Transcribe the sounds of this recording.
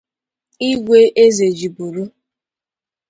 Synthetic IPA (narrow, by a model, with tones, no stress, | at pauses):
i˦ɡʷe˦ʔe˦ze˨d͡ʒi˨bu˨ɾu˦